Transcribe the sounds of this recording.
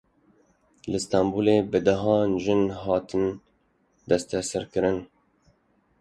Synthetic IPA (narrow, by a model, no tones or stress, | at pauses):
lɨst̪ɑmbuːleːbɨd̪aɦɑːnʒɨnɦɑːt̪ɨn | d̪ɛst̪ɛsɨɾkɨɾɨn